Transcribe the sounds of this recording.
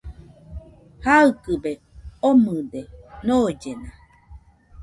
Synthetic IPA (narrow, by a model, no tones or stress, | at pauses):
haɯkɯbe | omɯd̪enoːd͡ʒena